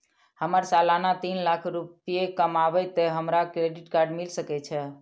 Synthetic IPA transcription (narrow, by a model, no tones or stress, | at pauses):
həməɾsalanat̪inlakʰɾupijekəmabɛt̪eɦəmɾakɾeɖiʈkaɾɖmilsəkɛt͡ʃʰɛ